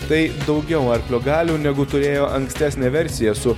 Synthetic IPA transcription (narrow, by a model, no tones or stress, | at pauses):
t̪ɐɪd̪ɒʊɡʲɛʊɐɾʲpʲlʲoːɡɑːlʲuːnʲɛɡʊt̪ʊɾʲeːjoːʔɐŋksʲt̪ʲæːsʲnʲeːʋʲɛɾʲsʲɪjɛsʊ